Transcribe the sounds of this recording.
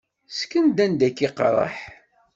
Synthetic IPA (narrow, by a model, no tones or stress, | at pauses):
skənd̪ænd̪ækːiqɾˤə̰ħ